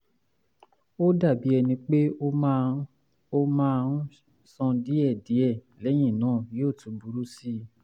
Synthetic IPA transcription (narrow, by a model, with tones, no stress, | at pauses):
o˦da˦˨bi˨˦ɛ˧nĩ˧k͡pe˦˧ | o˧mãː˦˧ũ˦ | sɔ̃˧di˨˦ɛ˦˨di˨˦ɛ˦˨ | lɛ˨˦j̃ĩ˦˨nãː˨˦˨jo˦˨tũ˨˦bu˨ɾu˦si˦